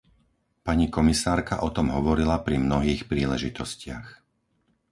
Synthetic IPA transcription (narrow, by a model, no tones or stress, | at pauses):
paɲikɔmisaːɾkaʔɔt̪ɔmɦɔʋɔɾilapɾimnɔɦiːxpɾiːlɛʒit̪ɔscɪax